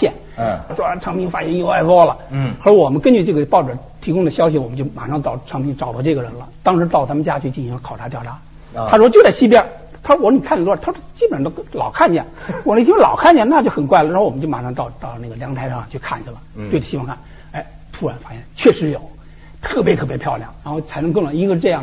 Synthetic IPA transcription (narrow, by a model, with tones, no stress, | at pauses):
jɛ˥˩n˥˩ | ʂwɔ˥a˧˩ʈ͡ʂʰɑ˧˥ŋpʰi˥ŋfa˧˥˩jɛ˥njo˧˩ʊa˧˥˩ɪfɔ˥lə˩xə˧˥˧wɔ˨˩mə˦nkə˥nt͡ɕy˥˧ʈ͡ʂɤ˥˩ɡə˩pɑ˥˩ʊʈ͡ʂə˨˩˥ | t̪ʰi˧˥kʊ˥ŋd̪ə˨ɕjɑ˥ʊɕ̬i˨˩wɔ˨˩mə˦t͡ɕo˥˩ʊma̰˨˩ʂɑ˥˧ŋt̪ɑ˥˩ʊʈ͡ʂʰɑ˧˥ŋpʰi˧˥ŋʈ͡ʂɑ˨˩ʊd̪ʈ͡ʂɤ˥˩ɡə˩ɻə˧˥nlə̰˧t̪ɑ˥ŋʂɻ̩˧˥t̪ɑ˥˩ʊt̪ʰa˥mə˧t͡ɕja˥t͡ɕʰy˥˧t͡ɕi˥˩nɕi˧˥ŋlə˧kʰɑ˨˩ʊʈ͡ʂʰa˧˥jɑ˥˩ʊʈ͡ʂʰa˧˥ | a˥˧wɔ˥t͡ɕjo˥˧ʊt͡sa˥˩ɪɕi˥p̬jɛ˥ | t̪ʰa˥˩wɔ˧˥ni˨˩kʰa˥˩ni˨˩wɔ˥˩t̪ʰʂt͡ɕi˥bə˨˩ʂd̪lɑ̰˨˩ʊkʰa˥˧nt͡ɕjɛ̰˥˩nwɔ˨˩nʰ˥˩˥lɑ̰˨˩ʊkʰa˥˩nt͡ɕjɛ˥˧na˥˧t͡ɕjo˥˩ʊxə˨˩nkwa˥ɪə˨˧ɻwɔ˨˩ə˦˥t͡ɕo˥˩ʊma˨˩ʂɑ˥˧ŋt̪ɑ˥˧ʊt̪ɑ˥˧ʊ˩na˥˩ɡə˩ljɑ˧˥ŋt̪ʰa˧˥ɪʂɑ˥˩ŋ˩t͡ɕʰo˥˩kʰa̰˥˩nt͡ɕʰy˥˩lə˩t̪we˥˩ə˩ɕi˥wŋkʰa˥˩n | e˧˥˩ɪ | t̪ʰu˥˩ɻa˧˥nfa˧˥˩jɛ˥˩nt͡ɕʰɥɛ˥˩ʂɻ̩˧˥jo˨˩˦ʊ | t̪ʰɤ˥˩p̬jɛ˧˥t̪ʰɤ˥˩pjɛ˧˥pʰjɑ˥˧ʊljɑ̰˥˩ŋɻa˧˥nxo˥˩ʊt͡sʰa˧˥ɪn˧˥ŋkɤ˥˧ŋ˩wa˧˩n˥i˥ŋkʂ̩˧ʈ͡ʂɤ˥˧jɑ˥˩